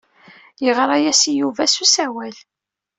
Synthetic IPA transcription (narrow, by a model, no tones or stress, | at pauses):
jəʁɾˤɑjæsijuvæsusæwæl